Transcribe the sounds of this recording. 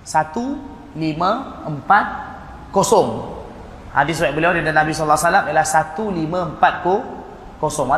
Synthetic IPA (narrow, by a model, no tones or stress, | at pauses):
sat̪u | limə̃əmpat̪̚ | kosɔŋ | hadɪswɛʔ̚bəliawdidanabisɔlːaasalamiəlahsat̪ulimə̃əmpat̪̚ko | kosɔŋa